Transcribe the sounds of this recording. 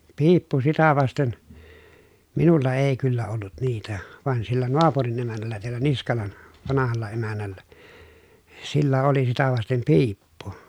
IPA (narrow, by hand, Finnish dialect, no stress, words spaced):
piːpːu sitæ ʋɑsten minulːɑ eˑi̯ kylːæ olːut niːtæ ʋɑn silːæ noɑpurin emænˑælˑæ teælːæ niskɑlɑn ʋɑnɑhɑlːɑ emænˑælːæ silːæ oli sitæ ʋɑstem piːpːu